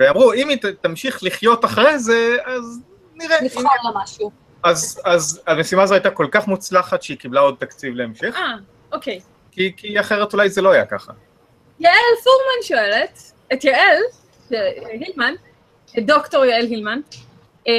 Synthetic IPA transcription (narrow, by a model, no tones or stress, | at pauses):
veamʁuimitt̪amʃiχliχjo̞t̪aχʁejze̞az | niʁenialamaʃu | azazamesimaːzoajt̪ako̞lkaχmut͡slaχat̪ʃeikiblao̞d̪̚t̪akt͡sivleemʃeχa | ʔokej | kikiaχeʁe̞tulajzelo̞ajaka̰χa̰ | jaʔelfuʁmanʃoelet | et̪jael | ʃeɦilman | doktoʁjaelɦilman